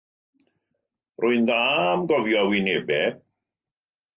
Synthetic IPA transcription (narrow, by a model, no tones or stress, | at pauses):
rʔʊɨnðaːmɡɔvjɔwɪnebɛ